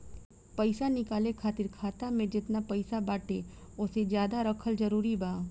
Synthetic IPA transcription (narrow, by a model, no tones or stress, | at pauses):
pɐɪsanɪkaːlekʰaːt̪ɪɾkʰaːt̪amẽd͡ʒɪt̪napɐɪsabaːʈe | ʊsed͡ʒjaːd̪aɾɐkʰəld͡ʒɐɾuːɾibaː